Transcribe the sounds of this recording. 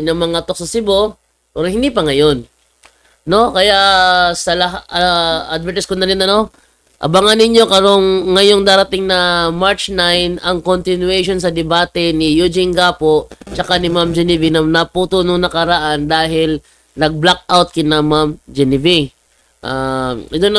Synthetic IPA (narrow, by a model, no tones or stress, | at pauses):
ɲɐŋmɐŋat̪ok̚sɐsɪbo̞ | pɛɾohɪnd̪iːpɐŋɐjo̞n | no̞kɐjaʔsɐlɐɦaɐʔad̪̚vɛɾt̪ɪskonɐɾɪnɐno̞ | ʔɐ̰baŋanɪɲjo̞kɐɾo̞ŋːɐjo̞ŋd̪aːɾɐt̪ɪŋnɐmaɹt͡ʃnajnɐŋkont̪ɪnwɛʃons̬ɐd̪ɛbaːt̪ɛnɪjud͡ʒɪŋɡaːpo̞ʔt͡ʃɐkanɪmamd͡ʒɛnɪvɪnɐnɐpuːt̪unoŋnɐkɐɾɐʔand̪aːɦɪl | nɐɡ̚blak̚awt̪̚kɪnɐmamd͡ʒɛnɪvi | ʔad̪on